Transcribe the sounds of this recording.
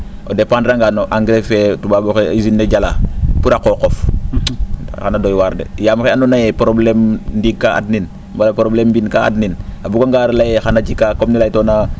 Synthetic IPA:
odepãːndɾaŋɡanoʔaŋɡɾefɛtubaboxeizinːeɟala̰ːpuɾakokof | xanadojwaɾdḛjaːmkeanonajepɾoblemndiɡ̚kːaa̰dnin | mbalapɾoblembinkaa̰dninabuɡaŋɡaːɾlajexanat͡ʃikakomnilajtoːna

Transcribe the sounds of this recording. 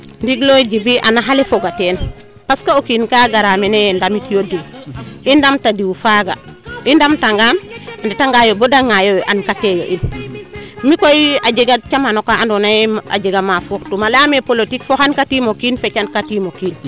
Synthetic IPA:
ndiɡloɟibiʔa̰naɦalefoɡateːn | paskaokiːnkaɡaɾameneendamitijodiindamtadiwfaɡa̰indamtaŋɡamanditaŋɡajobodaŋajoʔankatejo̰ʔin | mikojiaɟeɡat͡ʃamanokaandonaja̰ɟeɡamafoktumalamepolotikfohankatimokiːnfet͡ʃankatimokiːn

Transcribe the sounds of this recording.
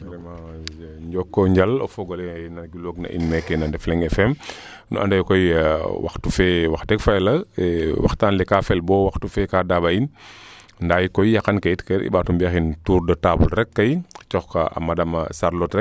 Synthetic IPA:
ɾɛmaɲɟɔkːɔɲɟalɔ̰fɔɡɔlɛjnaɡiloːɡna̰ʔḭnmɛkːɛnandɛflɛŋɛfɛm | nṵʔa̰ndajkɔjwa̰xtufɛwaxdɛkfajlɐwa̰xtaːnlɛkafɛlbɔwaxtufɛkadabain | ndaːjkɔjjakankajitkɛɾʔḭɓaːtumbiaxintuːɾdɔtaːbulɾɛkːajt͡ʃɔxkaa̰madama̰saɾlɔtɾɛk̚

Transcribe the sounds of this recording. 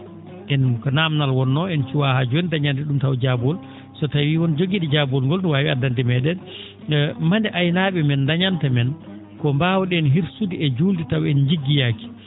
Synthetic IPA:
ʔɛnkɔnamnalwɔnːɔɛnt͡ʃuwahaːd͡ʒuɛndaɲantɛɗumtawd͡ʒabɔl | sɔtawiːwɔnd͡ʒoɡiɗɛd͡ʒabɔlŋɡɔltɔwawiadandɛmɛɗɛn | mandɛʔajnaɓɛmɛndaɲantamɛn | kɔmbaːwɔɗɛɛnɦiɾsudiɛd͡ʒuːlditawɛnd͡ʒiɡːijaːki̥

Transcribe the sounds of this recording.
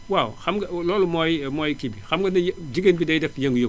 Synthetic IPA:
wawxɐmɡɐlɔːlumɔjmɔjkibixɐmɡɐnɐjd͡ʒiɡeːnbidɛjdɛfjɐŋɡujoɡ

